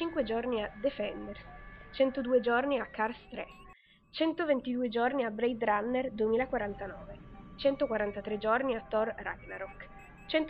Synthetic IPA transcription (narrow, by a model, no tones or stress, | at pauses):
t͡ʃiŋkwed͡ʒɔrniad̪efɛnd̪ersit͡ʃɛnt̪od̪uːed͡ʒorniakːarst̪ɾɛ̰ | t͡ʃɛnt̪ovent̪id̪uːed͡ʒorniabɾɛjd̪ɾanːerd̪uemiːlakwaɾant̪anɔːvet͡ʃɛnt̪okwaɾant̪at̪ɾed͡ʒɔrniat̪ːɔrːa̰ɡnaɾɔk | t͡ʃɛnt̪